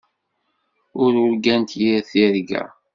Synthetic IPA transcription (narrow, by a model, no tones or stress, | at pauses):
ʊɾʊɾɡænt̪jiɾθiɾɡæ̰